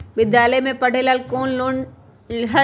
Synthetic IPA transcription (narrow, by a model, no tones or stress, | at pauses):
bɪd̪jaːlemẽpɐɽ̤elaːlkoːnlon | ɦɐ